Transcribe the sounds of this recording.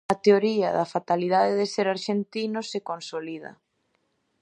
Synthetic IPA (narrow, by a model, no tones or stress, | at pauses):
ɐt̪eoɾiɐðɐfat̪aliðaðeðeseɾaɾʃent̪inosekonsolið̞ɐ̰